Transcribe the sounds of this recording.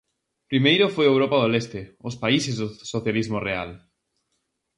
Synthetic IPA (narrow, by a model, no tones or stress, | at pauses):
pɾimejɾʊfojewɾopaðolest̪ɪospaisezðʊsoθjalizmorea̰l